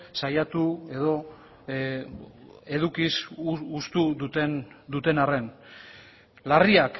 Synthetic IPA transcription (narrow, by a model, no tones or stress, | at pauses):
sajat̪ue̞ðo̞ | e̞ðukisust̪uðut̪end̪ut̪e̞nare̞n | lariak